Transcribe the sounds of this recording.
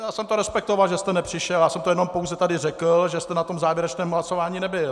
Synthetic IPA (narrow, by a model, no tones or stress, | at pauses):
jaːsɛmt̪oɾɛspɛk̚t̪ovalʒɛst̪ɛnɛpr̥ɪʃɛljaːsɛmt̪ojɛno̞mpowzɛt̪adɪrɛklʒɛst̪ɛnat̪o̞mzaːvjɛɾɛt͡ʃnɛːmɦlasovaːɲiːnɛbɪl